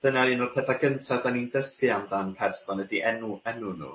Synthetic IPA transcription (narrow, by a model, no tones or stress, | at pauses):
d̥ənainɔrpʰɛðaɡəntʰavdanindəskɨamdanpʰɛrsɔnədiʔɛnuɛnunṵ